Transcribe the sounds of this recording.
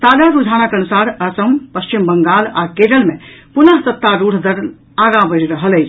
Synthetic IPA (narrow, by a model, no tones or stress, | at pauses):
t̪ad͡ʒaɾud͡ʒʱaːnakənusaɾəsəmpəst͡ʃimbəŋɡalakeɾəlmepunəɦsət̪ːaɾuɽ̤d̪əɾn | aɡãbəɾɾəɦələjt͡ʃʰ